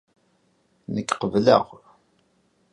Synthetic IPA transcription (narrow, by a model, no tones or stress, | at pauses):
nəkːqəvlə̰ʁ